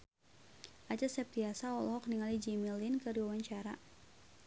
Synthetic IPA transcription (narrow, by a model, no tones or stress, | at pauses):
ʔat͡ʃasɛp̚t̪iasaɔlɦɔk̚niŋalid͡ʒimilinkɨrdiwawaɲt͡ʃaɾa